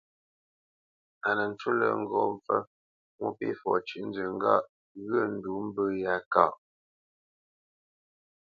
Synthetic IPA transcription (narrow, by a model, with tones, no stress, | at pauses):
a˨nə˨n̩˨˦t͡ʃu˦lə̰˨ŋ̩˦ɡɔ˦˨ɱ˦fə˦ | mu˦pḭ˦fɔ̰˨t͡ʃi˨n̩˦də˨ŋ˦ɡa˦˨ʔ | ɣə˦˨n̩˦du˨˦m̩˦bə˦ja˦ka˦˨ʔ